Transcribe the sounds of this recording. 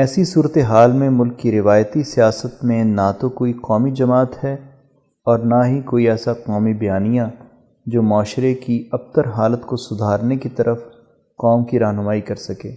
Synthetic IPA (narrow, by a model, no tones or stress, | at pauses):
ɛːsisuːɾət̪eɦaːlmẽmʊlkːiɾɪʋaːjət̪isijaːsət̪mẽnat̪okoːiqɔːmid͡ʒɐmaːt̪hɛ | ɔːɾnaɦikoːiɛːsaqɔːmibɐjaːnijã | d͡ʒoːmɔːʃɾekiɐb̚t̪əɾɦaːlət̪kosʊd̪ʱaːɾnekit̪ɐɾʔəf | qɔːmkiɾaːɦnʊmaːikɐɾsɐkeː